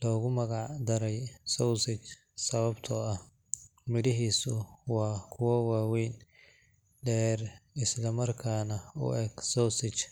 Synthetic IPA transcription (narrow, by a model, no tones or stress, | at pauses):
lɔːɣʊmɐɣɑʕd̪ɐɾɛjsɔwsɪt͡ʃ | sɐβɐbt̪ʰɔɐh | mɪɽɪɦiːsʊwɑːkʰʊwɐwaːwɛjn | d̪ɛːrɪslɐmɐrkʰaːnɐʊ̰ʔɛɡsɔwsɪt͡ʃ